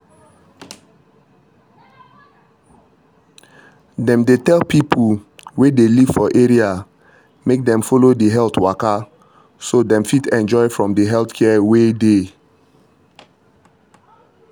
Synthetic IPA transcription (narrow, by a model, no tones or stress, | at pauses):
dɛ̃mdetɛlpʰipʰuwedeliv̥fɔʔeɹia | mek̚dɛ̃mfolodiɦɛltwaka | sodɛ̃mfitɛ̃nd͡ʒɔɪfɹɔ̃mdəɦɛltkʰɛwede